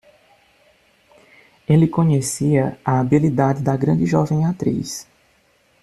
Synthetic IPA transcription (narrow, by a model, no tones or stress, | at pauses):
elɪkõɲesiɐɐabilid̪adɪd̪ɐɡɾɐ̃d͡ʒɪʒɔvẽj̃at̪ɾḭs